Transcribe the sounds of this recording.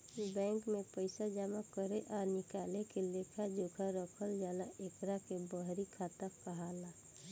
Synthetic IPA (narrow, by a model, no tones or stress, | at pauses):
bɛ̃ːŋkmepəɪsad͡ʒaːmakəɾeʔɔːɾnɪkaːlekelekʰad͡ʒokʰaɾəkʰəld͡ʒaːnaʔekɾakebəɦɾikʰat̪akkəɦala